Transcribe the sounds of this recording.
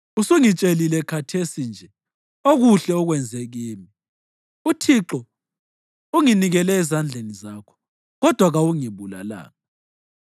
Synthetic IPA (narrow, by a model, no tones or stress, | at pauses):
usuŋit͡ʃʼelilɛkʰatʰesind͡ʒʱɛ | oɣuɬɛɔɣwɛnd͡zʱeɣiːmi | utʰiǁɔ | uŋiniɣɛlɛːzand͡ɮʱenizakʰɔ̥ | ɣɔd̥ʱwaɣawuŋiβula̰la̰ːŋa